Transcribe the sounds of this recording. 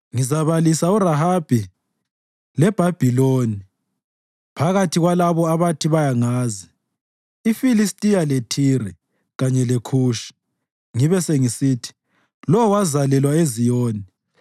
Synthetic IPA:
ŋizaβalisauraɦab̥ʱi | lɛb̥ʱab̥ʱiloːni | pʰaɣatʰiɣwalaβɔaβatʰiβajaŋaːziː | filistʼijaletʰirɛ | ɣaɲɛlekʰuːʃi̥ | ŋiβɛseŋisitʰi̥ | lɔwwazalɛlwaezijoɔːni

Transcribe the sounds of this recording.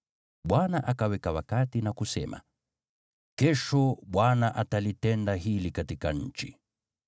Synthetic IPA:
ɓwanaʔakawɛkawakatinakusɛ̰ma̰ | kɛʃɔɓwanaʔatalitɛndaɦilikatikaɲ̩t͡ʃi

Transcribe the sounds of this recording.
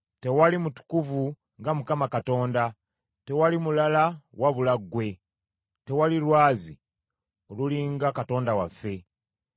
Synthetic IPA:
te̞walimutu̥kuvu | ŋɡamukamakato̞ːnda | te̞walimulalawʔaβulaɡːwe̞ | te̞waliɾwaːzi | o̞luliŋɡakato̞ːndawafːe̞

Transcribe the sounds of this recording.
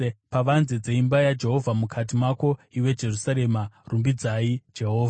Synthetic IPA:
paʋanzed͡zeimbajad͡ʒe̞ɦo̞vʱamukʰat̬imako̞iwe̞d͡ʒe̞rusaɾe̞marumbid͡zaid͡ʒe̞ɦo̞ːvʱa

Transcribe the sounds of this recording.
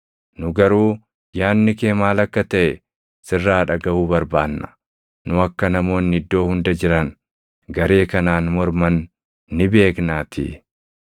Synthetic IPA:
nʊɡɐɾuː | jaːnːɪke̞ːmaːlɐkːɐt̪ɐʔɛ | sɪrːaːᶑɐɡɐʔuːbɐɾbaːnːɐ̥ | nʊɐkːɐnɐmo̞ːnːɪɪd̪ːo̞ːhʊnd̪ɐd͡ʒɪɾɐn | ɡɐɾe̞ːkɐnaːnmɔɾmɐnː | ɪbe̞ːknaːt̪ʰḭː

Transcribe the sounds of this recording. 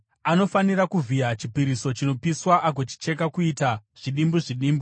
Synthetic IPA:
ano̞faniɾakuvijat͡ʃipiɾiso̞t͡ʃino̞piswaʔaɡ̬ot͡ʃi̥t͡ʃe̞k̬akuitaʐ̥iɗimbuʐiɗiːmbu

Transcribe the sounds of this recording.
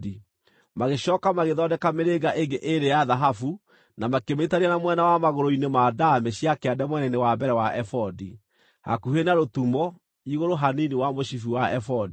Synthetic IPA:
di | maɣeɕɔːkamaɣeðɔdɛkameɾeɡaʔeŋɡeʔeɾejaðaɦafu | namakemeitaɾianamwɛnawamaɣoɾoinemadameɕiakeadɛmwɛnɛinewabɛɾɛwaʔɛfɔdi | ha̰kuhenaɾotumɔ | iɣoɾoɦaniniwamoɕifiwaɛfɔdi

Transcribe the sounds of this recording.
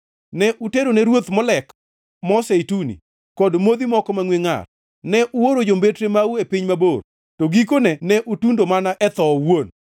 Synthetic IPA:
nɛʔuteɾonɛɾwot̪mɔlɛk | mɔseitunḭ | kɔdmod̪imɔkɔmaŋweŋa̰r | nɛʔuwoɾod͡ʒombetɾemauepiɲmaboɾ | toɡik̬onɛnɛʔutundomanaʔɛt̪ɔwon

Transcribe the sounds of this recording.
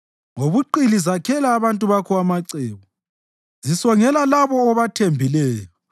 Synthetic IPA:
ŋoβuǃilizakʰɛlaːβantʼuβakʰɔamaǀɛːβɔ | zisɔŋɛlalaβɔːβatʰembʱilɛːjɔ

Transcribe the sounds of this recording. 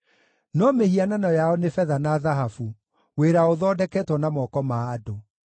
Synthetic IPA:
nɔmehiananɔjaɔnefɛðanaðaɦafu | weɾaoðɔdɛkɛtwɔnamɔkɔmaːdo

